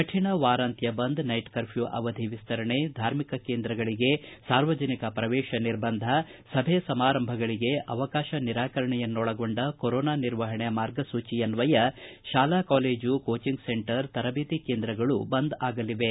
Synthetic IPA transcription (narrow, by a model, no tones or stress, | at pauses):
kɐʈʰiɳɐʋaːɾaːnt̪jɐbɐnd̪nɐjʈkɐɾpʰjuʔɐ̰ʋɐd̪ʱiʋist̪ɐɾɐɳed̪ʱaːɾmikɐkeːnd̪ɾɐɡɐɭiɡe̞saːɾʋɐd͡ʒɐnikɐpɾɐʋɛːʃɐniɾbɐnd̪ʱɐsɐbʱesɐmaːɾɐmbʱɐɡɐɭiɡe̞ʔɐʋɐkaːʃɐniɾaːkɐɾɐɳɛjɐnːɔɭɐɡo̞ɳɖɐkoɾɔːnaːniɾʋɐɦɐɳɛjɐmaːɾɡɐsuːt͡ʃijɐnʋɐjɐʃaːlaːkaːleːd͡ʒukoːt͡ʃiŋɡseɳʈɐɾt̪ɐɾɐbiːt̪ikeːnd̪ɾɐɡɐɭṵbɐnd̪aːɡɐliʋe̞